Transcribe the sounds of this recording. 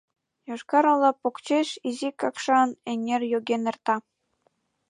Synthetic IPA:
joʃkɑɾɤ̆lˠɑpokt͡ɕeʃizikɑkʂɑneŋʲerʲjoɡʲenɘ̆rt̪ɑ

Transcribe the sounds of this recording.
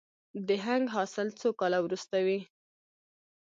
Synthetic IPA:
d̪əɦaŋɡɦɑsɪlt͡sokɑlawɾust̪awi

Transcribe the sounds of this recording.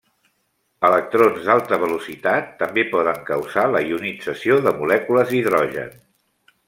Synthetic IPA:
ələk̚t̪ɾonzd̪alˠt̪əβ̞əlusit̪at̪ːəmbepɔðəŋkəwzaləiunid͡zəsioðəmulɛkuləziðɾɔʒə̰ns

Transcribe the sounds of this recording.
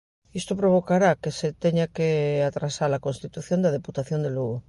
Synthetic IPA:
ist̪opɾoβ̞okaɾakeset̪eɲakeat̪ɾasaɾlakonst̪it̪uθjõnd̪aðeput̪aθjond̪eluɣo

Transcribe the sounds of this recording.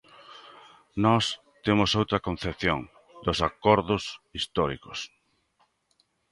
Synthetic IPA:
nɔs | t̪emʊsowt̪ɾɐkon̟θepθjo̰ŋ | d̪osakɔɾðʊsist̪ɔɾḭkos

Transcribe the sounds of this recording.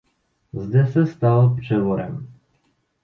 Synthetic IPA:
zd̪ɛsɛst̪alpʂɛvɔɾɛ̰m

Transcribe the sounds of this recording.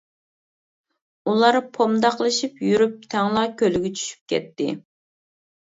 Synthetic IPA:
ulˠɑɾpʰomd̪ɑqlˠɨʃipjyɾyp̚t̪ʰæŋlˠɑkʲʰølyɡʲɛt͡ʃʰy̥ʃy̥p̚kʲɛ̰t̪ːɪ̰

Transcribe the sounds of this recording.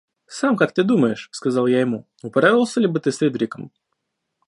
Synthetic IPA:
samkak̚t̪ɨd̪uməjɪʂskɐzalˠjaɪmu | ʊpɐɾavʲɪlˠsʲəlʲibɨt̪ɨsɾʲed̪ʲɾʲɪkəm

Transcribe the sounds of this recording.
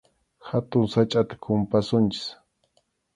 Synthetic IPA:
xat̪ʊŋsat͡ʃʼat̪ḁkʰʊmpasʊnt͡ʃɪ̥s

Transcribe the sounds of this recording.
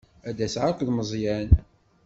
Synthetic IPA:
æd̪æsʕakʷðməzˤjæn

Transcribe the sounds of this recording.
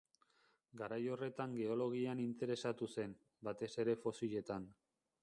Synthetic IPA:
ɡaɾajo̞re̞t̪aŋɡe̞o̞lo̞ɣ̞ianint̪e̞ɾe̞sat̪use̞n | bat̪e̞se̞ɾe̞fo̞siʎe̞t̪an

